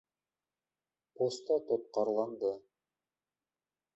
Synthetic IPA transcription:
post̪ɑt̪ot̪̚qɑɾlˠɑnd̪ɤ

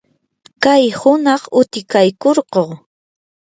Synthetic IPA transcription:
kajhʊnɑχʊt̪ɪkajkoɾqoː

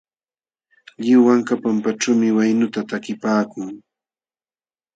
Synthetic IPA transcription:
ʎɪwaŋkapampaʈ͡ʂuːmɪwajnʊt̪at̪akɪpaːkʊŋ

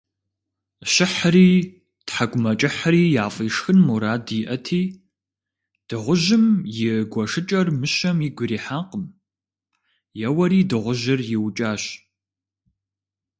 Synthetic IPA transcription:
ɕɪħəɾiː | tħaɡʷʊmɐt͡ʃʼɪħəɾiːjaːfʼiːʂxɨnmuɾaːdiʔɐtʰiː | d̥ɨʁʷʊʒɪmjɪɡʷɐʂɨt͡ʃʼɐrmɨʃɐmiɡʷʊɾiːħaːqəm | jɛwɐɾiːdɨʁʷʊʑɪrjɪwt͡ʃʼaːɕ

